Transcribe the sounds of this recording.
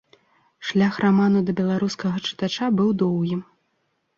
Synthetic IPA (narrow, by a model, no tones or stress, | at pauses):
ʂlʲaxraman̪ud̪ɐbʲɛlˠaɾuskɐɣɐt͡ʂɨ̥t̪at͡ʂabɨwd̪ɔwɣʲi